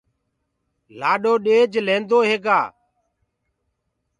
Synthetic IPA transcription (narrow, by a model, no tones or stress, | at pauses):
laːɗoːɗeːd͡ʒlẽːnd̪oːɦeːɡa̰ː